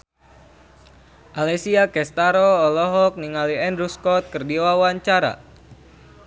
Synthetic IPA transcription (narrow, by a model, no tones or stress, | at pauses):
ʔalɛsiakɛst̪aɾoːlɔɦɔk̚niŋaliɛndɾuskɔt̪̚kɨrdiwawaɲt͡ʃaɾa̰